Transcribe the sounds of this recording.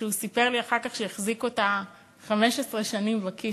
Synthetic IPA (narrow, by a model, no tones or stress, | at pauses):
usipe̞ʁliaχaʁkaχʃeeχziko̞ta | χameʃesʁeʃanimvaki